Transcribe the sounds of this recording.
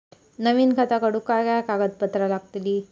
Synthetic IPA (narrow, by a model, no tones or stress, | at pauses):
nəʋiːnkʰat̪akəɽukaɾɡajakaɡət̪̚pət̪ɾalaɡ̚t̪liː